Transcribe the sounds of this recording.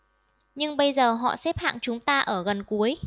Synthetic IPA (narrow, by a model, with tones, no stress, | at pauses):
ɲɨ˧ŋɓə˧jzəː˨˩ɦɔ̰˧˨sɛ˦˥p̚ha̰ː˧˨ŋt͡ɕʊ˨˦ŋ͡mt̪aː˧ʔəː˧˩ɣə˨˩nku˨˦əj